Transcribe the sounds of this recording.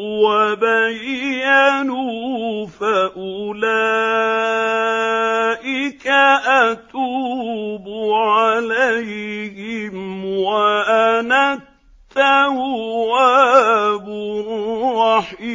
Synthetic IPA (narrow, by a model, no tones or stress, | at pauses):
wabajːanufaʔʊla | ʔɪkaʔat̪uːbʊʕalajhɪmwaʔanatt̪ːawwa | bʊɾˤɑħ